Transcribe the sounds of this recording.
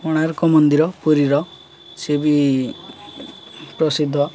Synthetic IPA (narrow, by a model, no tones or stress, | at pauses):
ɔɽ̃aɾkɔmɔnd̪iɾɔpuɾiɾɔ | sebi | pɾɔsid̪ʱːɔ